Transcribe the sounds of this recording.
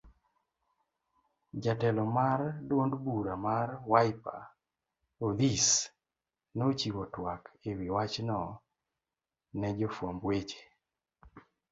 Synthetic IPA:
d͡ʒatɛlɔmardwondbuɾamarwajpa̰ | od̪is | not͡ʃiwɔtwakʰewiwat͡ʃnɔ | nɛd͡ʒɔfwombwet͡ʃe̥

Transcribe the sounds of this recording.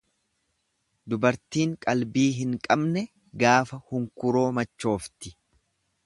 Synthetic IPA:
d̪ʊbɐɾt̪iːŋkʼɐlbiːɦɪŋkʼɐbnɛ | ɡaːfɐhʊŋkʊɾo̞ːmɐt͡ʃːo̞ːft̪ɪ

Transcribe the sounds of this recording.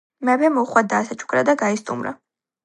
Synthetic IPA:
mɛbɛmɔχwad̪aːsat͡ʃʼu̥kʼɾad̪aɡaist̪ʼṵmɾa̰

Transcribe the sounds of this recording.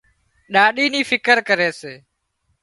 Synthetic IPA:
ɗaːɗiːnĩːfɪkəɾkəɾeːseː

